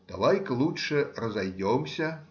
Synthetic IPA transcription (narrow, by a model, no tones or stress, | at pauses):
d̪̥aʋajkɐlˠutʂɛrɐzajd͡zʲɔmsʲɐ